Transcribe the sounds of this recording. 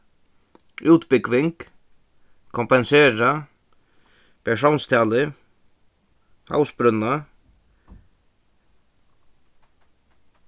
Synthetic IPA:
ʔʉːt̪bɪkʋɪŋk | kʰɔmpɛnseːɾa | pʰɛʃownst̪ʰæːlɪ | ha̰wsbɾʏna

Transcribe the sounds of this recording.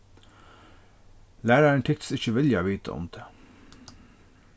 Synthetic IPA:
læːɾɑəɳʈ̪ʰɪkt̪sɪçəʋɪljɑʋiːt̪ʰə̰ɔ̰md̪̥eː

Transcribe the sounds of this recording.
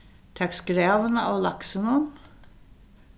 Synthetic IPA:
t̪ʰɑkskɾɑːʋənə̰ʔoːlɑksənuːn

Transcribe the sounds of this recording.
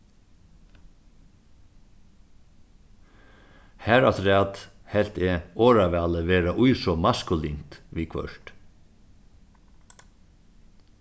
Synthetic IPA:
hæɾat̪ɾɛːt̪hɛlt̪ɛɔːɾaʋæaːləʋeːɾaʔʊjsɔmaskʊlint̪ʋiːkʰœ̰ɹ̥t̪

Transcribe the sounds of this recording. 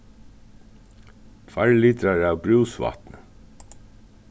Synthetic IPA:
fæɹlit̪ɾɑɹɑːʋbɾʉːsʋɑ̰t̪nə

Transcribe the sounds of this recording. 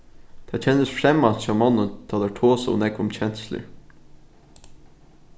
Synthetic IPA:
t̪ʰɑːt͡ɕʰɛnːəsfɾɛmɑnʃɑmɔnənt̪ʰɑːd̪æɹʈ̪ʰoːsʊ̰nɛɡʊmt͡ɕʰɛnslə̰ɹ

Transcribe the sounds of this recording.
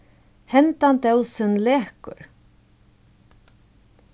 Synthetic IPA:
hɛnt̪ant̪œwsɪnlɛːhkʏ̰ɾ

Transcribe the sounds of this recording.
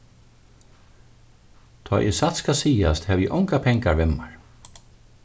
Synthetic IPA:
t̪ʰɔ̰ːʔɛ̰sat̪skasiːast̪hɛːʋjɛʔɔŋkapʰɛŋkaɹvɛmːaɹ

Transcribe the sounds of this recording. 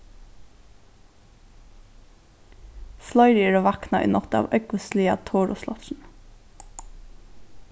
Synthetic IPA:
slɔʏɹiːɹoːʋɑknɑʔḭːnɔt̪əɑ̰ːʋʔœʏkʊsliːɑ̰t̪ʰoːɹʊ̰slɔ̰t̪ʃn̩

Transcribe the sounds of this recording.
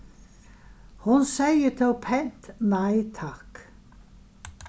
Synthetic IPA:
hʊnsæɪət̪ʰɪlpʰɛnt̪næɪt̪ʰɑk

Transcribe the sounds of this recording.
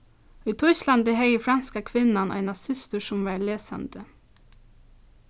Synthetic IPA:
iːt̪ʰœʏsland̪əɦɛjəfɾanskakʰʋɪnːanʔæ̰ɪnasɪst̪əsʊmʋɑːɹleːsa̰nd̪ə

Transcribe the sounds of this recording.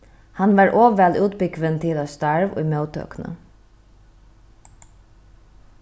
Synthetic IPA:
hanʋaɹʔoːʋɛluːt̪̚bɪkʋənt̪ʰɪlast̪aɹʋʊ̰jmœwt̪ʰœ̰ːknə̰

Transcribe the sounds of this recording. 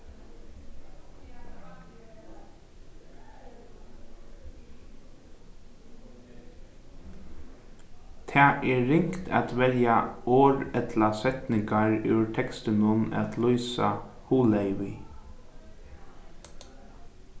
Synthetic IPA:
t̪ʰæːʔeːɹɪŋkt̪ʰæ̰ːt̪ʋɛljɑoːɹɛt̪ʰlɑsɛt̪nɪŋɡɑɹʉːɹʈʰɛkst̪əmʊnæ̰t̪ʰlɔʏsɑ̰huːleɪʋɪ

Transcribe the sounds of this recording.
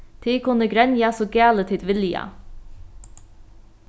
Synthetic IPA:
t̪ʰiːkʊnəɡɾɛnjɑsɔɡæːlət̪ʰɪd̪ʋɪljɑ̰

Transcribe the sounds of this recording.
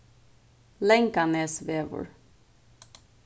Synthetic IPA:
lɛŋkɑneːsʋeːʋə̰ɹ

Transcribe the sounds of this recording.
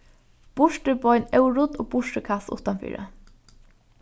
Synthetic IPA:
b̥ʊʃʈəbɔʏnœʊɾʊt̪o̰ːɡ̚bʊʂʈəkʰasʊ̰t̪anfḭːɾə̰

